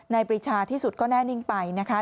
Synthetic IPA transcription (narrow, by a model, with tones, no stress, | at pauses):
na˧jpɾi˧t͡ɕʰaː˧t̪ʰiː˥˩su˨˩t̪̚kɔː˥˩nɛː˥˩ni˥˩ŋpa˧jna˦˥kʰa˦˥